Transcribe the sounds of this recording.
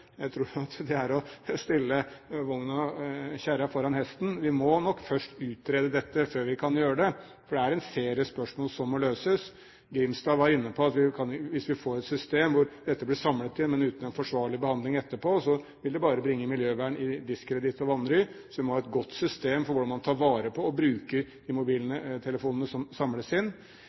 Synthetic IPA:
jæɪt̪ʰɾuːɾɑt̪d̪ɛæɾɔst̪ɪlːəʋʊŋnɑçæɾɑfɔɾɑnhɛst̪n̩ʋɪmɔnɔkːfœʂʈʉːt̪̚ɾeːd̪əd̪ɛt̪ːəføːɾʋɪkʰɑnjøːɾəd̪ɛ | fɔɖɛæɾɛnseːɾɪəspœʂmoːlsɔmːɔløːsəs | ɡɾɪmsd̪ɑːʋɑɾɪnːəpʰɔɑt̪ʋɪkʰɑnʋɪsʋɪfoːɾɛt̪sʏst̪eːmʋʊɾd̪ɛt̪ːəblɪsɑmlət̪ʰɪnmɛnʉːt̪ən̩ɛnfɔʂʋɑːɭɪbəhɑnd̪ɪŋɛt̪ːəposɔ | ʋɪld̪ɛbɑːɾəbɾɪŋːəmɪljøːʋæːɳɪd̪ɪskʰːɾɛd̪ɪt̪ɔʋɑnɾʏsɔʋɪmɔhɑːɛt̪ɡɔt̪ːsʏst̪eːmfɔɾʋʊɖɑnmɑnt̪ʰɑːɾʋɑːɾəpʰɔɔbɾʉːkəɾd̪ɪmʊbiːlənət̪ʰɛləfuːnənəsɔmsɑmləsɪnː

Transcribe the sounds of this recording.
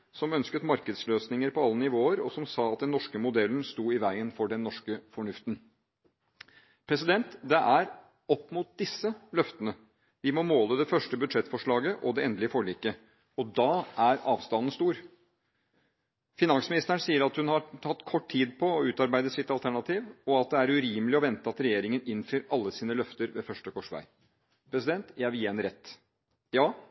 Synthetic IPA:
sɔmœnskət̪mɑɾkəd̪sløːsnɪŋəɾpɔɑlːənɪʋoːəɾɔsɔmsɑːɑt̪̚d̪ɛnːɔʂkəmʊd̪ɛlːn̩st̪uːɪʋæɪənfɔɖɛnːɔʂkəfɔɳʉft̪n | pʰɾɛsɪd̪ɛnt̪d̪ɛʔæɾ | ɔpːmʊt̪̚d̪ɪsːəlœft̪ənə | ʋɪmɔmoːləd̪ɛfœʂʈəbʉd̪ʂɛt̪ːfɔʂɭɑːɡəʔɔd̪ɛɛnd̪lɪəfɔɭiːkə | ɔd̪ɑʔæɾɑːʋst̪ɑnn̩st̪uːɾ | fɪnɑnsmɪnɪst̪əəɳsiːəɾɑt̪hʉnhɑt̪ʰɑt̪ːkʰɔʈːʰiːd̪pʰɔːʉːt̪ɑɾbæɪd̪əsɪt̪ɑlt̪ʰæɳɑt̪ʰiːʋɔɑt̪̚d̪ɛæɾʉɾiːməlɪɔʋɛnt̪əɑt̪ɾɛjeːɾɪŋənɪnːfyːɾɑlːəsiːnəlœft̪əɾʋefœʂʈəkʰɔʂʋæ̰ɪ | pʰɾɛsɪd̪ɛnt̪jæɪʋɪljɛnɾɛt̪ː | jɑː

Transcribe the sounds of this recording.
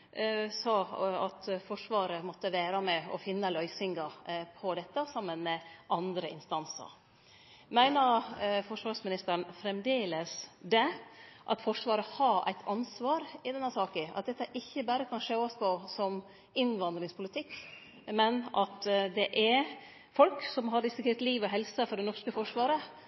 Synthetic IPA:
sɑːɑ̰t̪fɔʂʋɑːɾəmɔt̪ːəʋæːɾɑmɛɔ̰fɪnːəlœʏsɪŋɡɑpʰɔd̪ɛt̪ːəsɑmːənmɛʔɑnd̪ɾəʔɪ̰nst̪ɑnsə̰ɾ | mæɪnəɾfɔʂʋɑːʂmɪnɪst̪əɾɳfɾɛmd̪eːləsd̪ɛʔɑ̰t̪fɔʂʋɑːɾəhɑʔæ̰ɪt̪ʰɑnsʋɑːɾɪd̪ɛnːəsɑːkɪɑ̰t̪̚d̪ɛt̪ːəʔɪçːəbæːɾəkʰɑnʂeːɔspʰɔsɔm | ɪnʋɑnd̪ɾɪŋspʰʊlɪt̪ʰɪkː | mɛnɑt̪d̪ɛʔɛɾ | fɔlksɔmɦɑɾɪsɪkʰeɾt̪liːʋɔɦɛlsəfɔɖɛnɔʂkəfɔʂʋɑːɾə

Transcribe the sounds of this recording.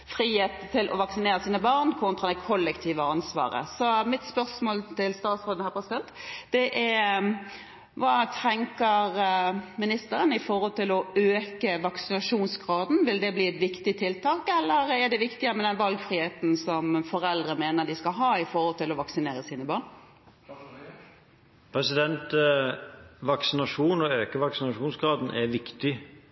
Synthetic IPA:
fɾiːheːt̪t̪ʰːɪlʔɔ̰ʋɑksɪneːɾəsiːnəbɑʁnkʰʊnt̪ʰʁɑd̪ækʰɔlːɛkt̪ʰiːʋəɑnsʋɑ̰ːɾə̰sɔmɪt̪spœɾsmoːlt̪ʰɪlst̪ɑːt̪sʁoːd̪nhæːpʰɾɛsɪd̪ɛnt̪d̪̥ɛʔɛɾ | ʋɑːt̪ʰɛŋkəɾmɪnɪst̪əɾənɪfɔɾhɔlt̪ɪlɔøːkəʋɑksɪnɑʂuːnsɡʁɑːd̪n̩ʋɪld̪ɛbliːɛt̪ʋɪkt̪ɪt̪ʰɪlt̪ʰɑːkɛlːəɾɛɖɛʋɪkt̪ɪəmɛd̪ɛnʋɑlɡfɾɪːheːt̪n̩sɔmfɔɾɛld̪ɾəmeːnəd̪ɪskɑɦɑːɪfɔɾhɔlt̪ʰɪlɔʋɑksɪneːɾəsiːnəbɑːɳ | pʰɾɛsɪd̪ɛnt̪ | ʋɑksɪnɑʂuːnɔøːkəʋɑksɪnɑʂuːnsɡɾɑːd̪n̩ʔɛɾʋɪkt̪ɪ

